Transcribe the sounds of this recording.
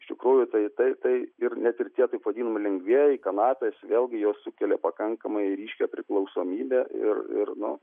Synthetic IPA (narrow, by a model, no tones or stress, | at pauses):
ɪʃʲt̪ʲɪkɾuːjʊt̪ɐɪt̪ɐɪt̪ɐɪɪrnʲæt̪ɪrt̪ʲiɛt̪ɐɪpʋɐd̪ʲiːnɐmɐlʲɛŋɡʲʋʲiɛɪkɐnɑːpʲeːsʋʲeːlʲˠɡʲɪjoːssʊkʲɛlʲepɐkɐŋkɐmɐɪɾʲiːʃʲkʲɛpʲɾʲɪklˠɒʊsoːmʲiːbʲɛʔɪ̰rɪ̰rnʊ̰